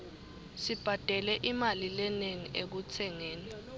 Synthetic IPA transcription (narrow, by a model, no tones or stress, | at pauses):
sib̥ʱad̥ʱɛlɛʔimalilɛneŋiʔek̬ut͡sʰɛŋɛːnɛ